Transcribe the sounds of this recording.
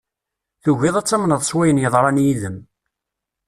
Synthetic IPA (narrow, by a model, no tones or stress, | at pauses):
θuʝɪðˤæt͡sːæmnəðˤsˤwæjənjəðˤɾˤɑnjiðəm